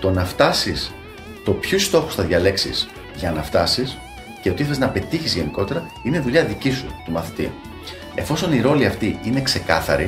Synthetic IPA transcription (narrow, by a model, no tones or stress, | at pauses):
t̪o̞nɐft̪ɐsis | t̪o̞pçust̪o̞xu̥sθɐðʝɐle̞ksḭs | ʝɐnɐft̪ɐsis | ceot̪iθeeznɐpe̞t̪içizʝe̞niko̞t̪e̞ɾɐ | ineðuʎɐðicisut̪umɐθi̥t̪ḭ | e̞̰fo̞so̞niɾo̞liɐft̪iine̞kse̞kɐ̰θɐ̰ɾi